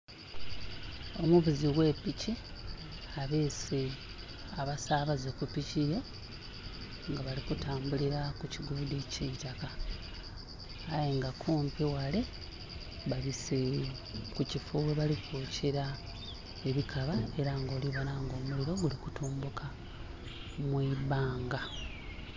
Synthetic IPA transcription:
o̞muβuziɣwe̞ːpici | aβeːse | aβasaβazekupicije | ŋɡaβalikutaːmbuliɾakuciɡuːdiciːtaka | jeŋɡakʰuːmpiwale̞ | βaβise | kucifuwe̞βalikʰuceɾa | e̞βikʰaβae̞ɾaŋɡo̞ːliβonaŋɡo̞ːmuliɾo̞ɡulikutuːmbukʰa | mwiβaːŋɡa

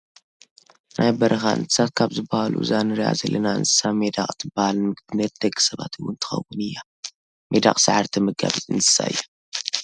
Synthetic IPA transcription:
nʔajbɐɾʔɐxaʔɨ̰nt̪ʰɨ̥sat̪̚kʰaβzɨbːahalṵzanɨɾija̰zɐlːɐnaɨ̰nsɨ̥samed̪aqʼt̪ʰɨbahalnɨmɨɡbɨnɐt̪̚d̪ɐɡɨsɐβa̰t̪ʰɨwːʊnt̪ʰɨ̥xɐ̰wːʊnɨjːa | med̪a̰qʼsaʕaɾt̪ʰɐmɨɡa̰βɨzʼɨnsɨ̥sa̰ɨ̰jːo

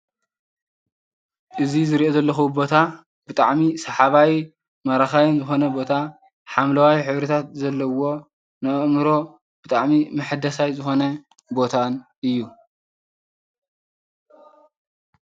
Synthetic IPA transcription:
ʔɨzizɨɾiʔo̞zɐlːɐxubo̞t̪ʰa | b̥ɨt̪ʼa̰ʕmisɐħaβaw | mɐɾaxajunzɨxo̞nɐbo̞t̪ʰa | ħamlɐwajħɨβɾit̪ʰat̪̚zɐlːɐwo̞ | nɨʔɨmɨɾo̞ | b̥ɨt̪ʼaʕmimɨħɨd̪ɐsajzɨxo̞nɐ | bo̞t̪ʰanʔɨjːu

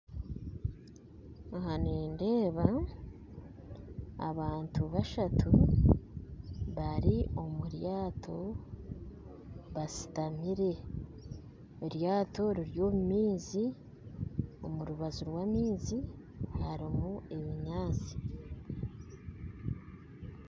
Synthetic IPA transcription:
haneːndeːβa | βaːntʰuβaʃatʰu | βaɾio̞muɾjaːtʰo̞ | βasi̥tamiɾe̞ | oɾjaːto̞ɾiɾjo̞ːmumiːzi | o̞muɾuβazuɾwamiːzi | haɾimue̞βiɲaːt͡si̥

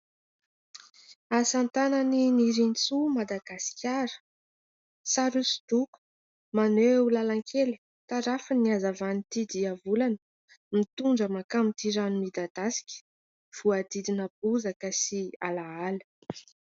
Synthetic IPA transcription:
asant̪anəniniɾint͡sumad̪aɡasi̥kʲjaɾə̥ | saɾusd̪̥uku̥ | maneulalaŋkʰeli̥ | t̪aɾafəniazavanit̪id̪iavulanə | mit̪uɳɖ͡ʐəmakamit̪iɾanumid̪ad̪̥asi̥kʲə̥ | v̥uad̪id̪inəb̚uzakəsialaalə

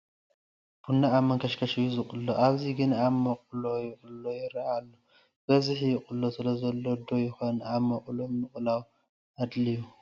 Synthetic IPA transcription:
b̥unːaːmːɐŋkʰɐʃkʰɐʃijuzɨχʼɨlːoʔaβziɡɨnaβmɐqʼlo̞jɪkʼɨllojɪɾɐʔalːo | b̥ɐzɨħjɪχʼɨlːosɨlɐzɐlːod̪ojɪxonaβmɐqʼlomɨχʼlaw | ʔad̪liju

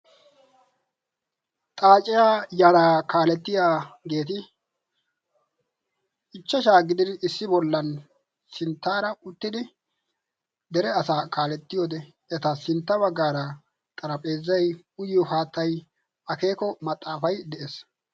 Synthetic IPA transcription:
t̪ʼaːt͡ʃʼɪjaːjaɾaːkaːlɛt̪ːɪjaːɡe̞ːt̪̬ɪ | ʔɪt͡ʃːɐʃ̬aːɡɪd̪ɪnɪsːɪbɔlːɐn | sɪnt̪ːaːɾɐʊt̪ːɪd̪ɪ | d̪ɛɾɛɐsaːkaːlɛt̪ːɪjoːd̪ɛ | ɛt̪ɐsɪnt̪ːɐbɐɡːaːɾɐ | t̪ʼɐɾɐpʼe̞ːzːɐj | ʊjːɔhaːt̪ːɐj | ʔɐke̞ːkɔmɐt̪ʼːaːfɐjd̪ɛʔeːs

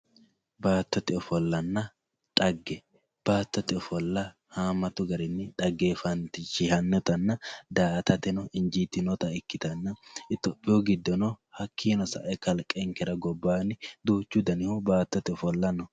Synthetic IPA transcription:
baːt̪ːɔt̪ɪɔfɔlːɐnːɐ | ᶑʼɐɡːɛ | b̥aːt̪ːɔt̪ɪɔfɔlːɐ | haːmɐt̪ʊɡɐɾɪnːɪᶑʼɐɡːeːfɐnt̪ɪʃɪhɐnːɔt̪ɐnːɐd̪aːt̪ɐt̪ɛnɔʔɪnd͡ʒiːt̪ːɪnɔt̪ɐɪkːɪt̪ɐnːɐɪt̪ːɔpʼːɪjɔɡɪd̪ːɔnɔhɐkʰːiːnɔsɐ̰ʔɛkɐlkʼːɛŋkɛɾɐɡɔbːaːnɪd̪uːt͡ʃːʊd̪ɐnɪhɔbaːt̪ːɔt̪ɪɔfɔlːɐnːɔ

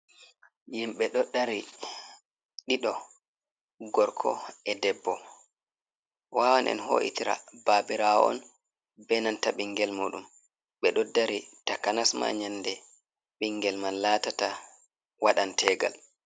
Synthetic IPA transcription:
jimɓɛɗɔɗaɾi | ɗiɗɔ | ɡɔɾkʰɔ̰ɛdɛbːɔ | waːwanʔɛ̰nɦo̰ːʔḭtiɾa̰baːbiɾaɔɔ̰n | bɛnantaɓiŋɡɛlmuːɗum | ɓɛɗɔdaɾitakanasma̰ɲandɛ | ɓiŋɡɛlmanːaːtata | waɗantʰɛːɡa̰l

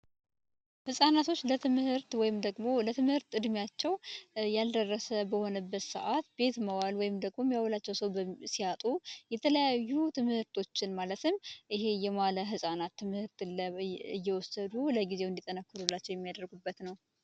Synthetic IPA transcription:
hɨsʼanat̪ʰo̞t͡ʃːlət̪ʰɨmhɨɾt̪wɔjɪmd̪əɡmo̞lət̪ʰɨmhɨɾt̪ɨd̪mijat͡ʃːɛwjald̪ərːəsəbəho̞nəbːət̪sə̰ʔat̪be̞t̪məwalwɔjɪmd̪əɡmo̞mːjawɔlat͡ʃːɛwsəwbəsiat̪ʼujɛt̪ʰələjajːut̪ʰɨmhɨɾt̪ʰo̞t͡ʃːɪnmalət̪ʰɨmʔɪɦe̞jɛmaləɦɨsʼanat̪ʰːɨmhɨɾt̪ɨlːəɨjːɛwɔsəd̪uləɡizewɨnd̪it̪ʼənəkːɨɾulːat͡ʃːɛwjɛmːijad̪əɾɡubːət̪nəw

